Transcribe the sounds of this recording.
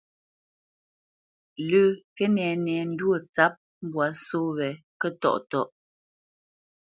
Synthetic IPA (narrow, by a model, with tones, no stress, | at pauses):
lʉ˦˨kɛ˦nɛ˨nɛ˨n̩˦dwo˨t͡sa˨˦p̚ | m˦bwa˨soː˦wɛ˨ | kɛ˦˨tɔ̰˦˨ʔtɔ˦ʔ